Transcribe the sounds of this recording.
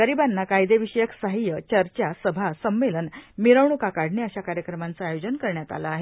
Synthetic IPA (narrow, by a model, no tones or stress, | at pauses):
ɡəɾibanːakajd̪eʋiɕəjəksaɦijət͡ɕəɾt͡ɕasəbʱasəmʋelənmiɾəʋɳukakaɽʱɳeəɕakaɾjəkɾəmant͡saːjod͡ʑənkəɾɳjat̪a̰laːɦe